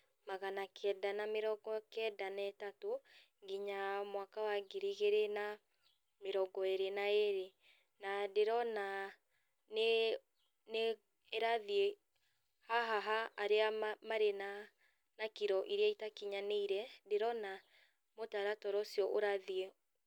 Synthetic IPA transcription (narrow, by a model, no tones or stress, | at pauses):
maɣanakʰɛdanameɾɔɡɔkɛdanɛtato | ɡiɲamwakawaɡiɾiɣeɾena | meɾɔɡɔeɾenaeɾe | nadeɾɔna | ne | ne | eɾaðie | haɦaɦaːɾeamaɾena | nakiɾɔʔiɾeaitakiɲaneiɾɛdeɾɔna | motaɾatɔɾɔsiɔʔoɾaðie